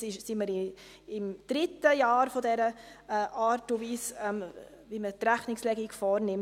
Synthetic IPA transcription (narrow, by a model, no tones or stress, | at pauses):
ɪʃsiməɾi | ɪmd̥ɾɪt̪ːəjɑːɾfodɛɾəʔɑːɾtuviːsɛm | vimət̪ɾæχnɪkslɛɡikfɔːɾnɪm